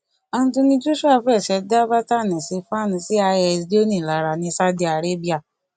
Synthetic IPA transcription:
ɔ˧ñ̩˦tũ˧nĩ˧d͡ʒu˦ʃu˦a˦˨fɛ˦˨sʃɛ˨˦da˦ba˦ta˦˨nĩ˨si˧fa˦˨nĩ˧si˦a˧jɛ˨di˦o˦nĩ˦˨la˨ɾa˨nĩ˧˦sa˦di˧˦a˨ɾe˦bi˦a˦˨

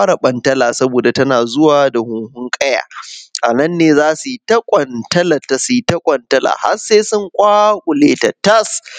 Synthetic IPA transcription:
aː˦ɽa˨ɓɐ˨ntɐ˦laː˨sɐ˦boː˨da˨tɐ˦naː˨zʊ˦waː˨da˨hʊ˦ŋhʊ˦ŋkʼɐ˦ja̰ː˨ʔa˨nɐ˦nːeː˨zaː˦su˨ji˦tɐ˦kʷʼɐ˨ntɐ˦lɐ˨tːɐ˦su˨ji˦tɐ˦kʷʼɐ˨ntɐ˦lʔa̰ː˨ha̰˦seː˦sʊ˦ŋkʷʼaː˦kʷʼʊ˨leː˦tɐ˨tɐ˦s

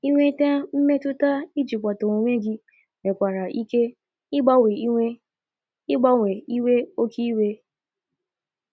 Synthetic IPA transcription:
i˦ŋʷe˦ta˦m̩˦me˦tʊ˦ta˦i˦d͡ʒi˨kʷa˨to˨ŋʷo˨ŋʷe˦ɡɪ˦ | me˨kʷa˨ɾa˨ʔi˦ke˦ | ɪ˦ɡ͡ba˦we˨˦e˦ | ɪ˦ɡ͡ba˦ŋʷe˨i˦we˦o˦kʰi˦we˦

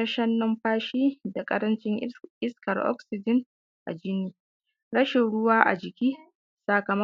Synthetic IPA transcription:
ɐ˦ʃɐ˦nːɔ˦mɸaː˦ʃiː˦da˨kʼɐ̰˦ɽɐ˦nt͡ʃɪ˦ŋʔɪ˦skɐ˨rʔɔ̰˦ksɪ˨d͡ʒɪ˦n | ʔa̰˨d͡ʒɪ˦niː˨ | ɽɐ˦ʃɪ˨nɽʊ˦waː˦ʔa̰˨d͡ʒɪ˨kʲiː˦ | saː˨kɐ˨mɐ˦

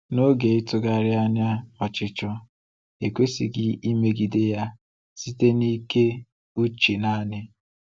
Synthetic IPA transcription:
no˦ɡe˨ɪ˦tʊ˦ɡa˦ɾɪ˦a˦ɲa˦ɔ˨t͡ʃɪ˦t͡ʃʊ˦ | e˨kʷe˦sḭ˨ɡɪ˦i˦me˦ɡi˨de˦ja˦ | si˦te˦ni˦ke˦ | u˦t͡ʃi˨na˦nɪ˦

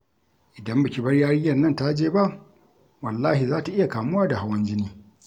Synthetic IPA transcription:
ʔɪ˨dɐ˦mbɐ˨kʲi˨bɐ˦rjaː˦ɽɪ˦jːɐ˨nːɐ˦nta˦d͡ʒeː˦ba˦ʔ | wɐ˨lːaː˦hi˨zaː˦ta˨ʔɪ˦ja˨kaː˨mʊ˦waː˦da˨ha˦wɐ˦nd͡ʒɪ˦niː˦

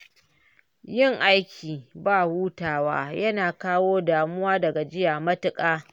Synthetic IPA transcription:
jɪ˦ŋʔa˦jkʲʰiː˨baː˦˨wuː˦taː˨wa̰ː˦jɐ˦naː˨kaː˦woː˦daː˨mʊ˦waː˦dɐ˨ɡa˨d͡ʒɪ˦jaː˨mɐ˦tɪ˨kʼaː˦

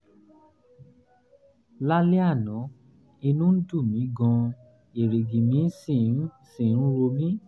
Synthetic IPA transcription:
la˦le˦a˦˨nɔ̃˨˦ | i˧nũ˦n̩˦du˦˨mĩ˨˦ɡɔ̃˧ | e˨ɾe˨ɡi˨mĩ˨˦si˦˨n̩˦sĩ˨n̩˦ɾo˧mĩ˦

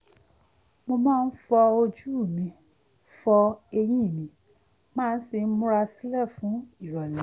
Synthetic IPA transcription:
mo˧mãː˦˧n̩˦fɔ˧o˧d͡ʒu˦˨mĩ˨˧˦ | fɔ˧e˧j̃ĩ˦˨mĩ˨˦ | mãː˦˧˨n̩˦si˧n̩˦mũ˦ɾa˧si˦lɛ˦˨fũ˨˦i˦˨ɾɔ˨lɛ˨˦

